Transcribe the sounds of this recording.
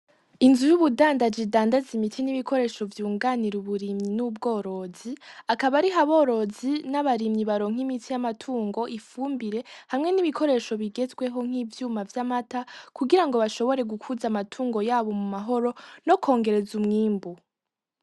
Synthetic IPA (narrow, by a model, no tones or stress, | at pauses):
inzujuβudaːndad͡ʒidaːndazimitʰiniβikʰo̞ɾe̞ːʃo̞vjuːŋɡaniɾuβuɾimɲinub̚ɡo̞ːɾo̞ziakaβaɾiɦaβo̞ːɾo̞zinaβaɾimɲiβaɾo̞ːŋ̥imitʰijamatʰuːŋɡo̞ʔifuːmbiɾe̞hamŋe̞niβikʰo̞ɾe̞ːʃo̞βiɡe̞zɡwe̞ɦo̞ŋ̥iːvjuːmavjamatakuɡiɾaŋɡo̞βaʃo̞βo̞ɾe̞ɡukʰuzamatʰuːŋɡo̞jaːβo̞mumaɦo̞ɾo̞no̞kʰo̞ːŋɡe̞ɾe̞zumŋiːmbu